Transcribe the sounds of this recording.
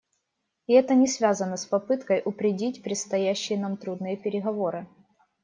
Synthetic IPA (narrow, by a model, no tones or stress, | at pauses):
ɪɛt̪ənʲɪsvʲazənəspɐpɨt̪kəjʔʊpɾʲɪdʲitʲpɾʲɪt̪st̪ɐjæɕːɪjənamt̪ɾud̪nɨjəpʲɪɾʲɪɣɐvo̞ɾɨ